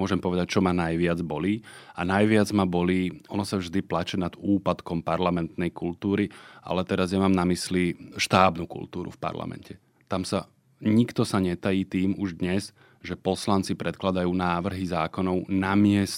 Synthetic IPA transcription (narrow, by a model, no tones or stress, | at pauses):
ɔʒɛmpɔʋɛd̪ac̚t͡ʃɔmanajʋɪad͡zbɔlianajʋɪad͡zmabɔliːɔnɔsavʒd̪iplat͡ʃɛnad̪uːpat̪kɔmpaɾlamɛnt̪nɛjkult̪uːɾiʔa̰lɛt̪ɛɾazɲɛmaːmnamisliʃt̪aːbnukṵlt̪uːɾṵfpa̰ɾla̰mɛ̰ncɛ | t̪amsa | ɲikt̪ɔsaɲɛt̪ajiːt̪iːmuʒd̪ɲɛz | ʒɛpɔslant͡sipɾɛt̪klad̪ajuːnaːʋr̩ɦizaːkɔnɔʊnamɪɛs